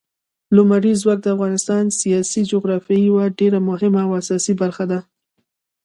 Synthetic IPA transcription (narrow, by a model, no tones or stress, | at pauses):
lʊmaɾizwɑk̚d̪əafɣɑnɪst̪ɑnsijɑsid͡ʒʊɣɾɑfjɑiwaɖeɾamʊɦɪmaːwasɑsibaɾxad̪a